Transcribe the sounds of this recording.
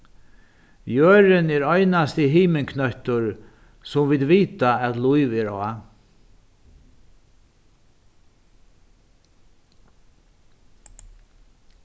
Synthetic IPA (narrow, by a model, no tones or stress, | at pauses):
jøːɾɪnɛɾɔjnast̪ɪɦiːmɪŋkʰnœht̪ʊɹ | sʊmvɪd̪ʋiːt̪aɛt̪lujvɛɾɔa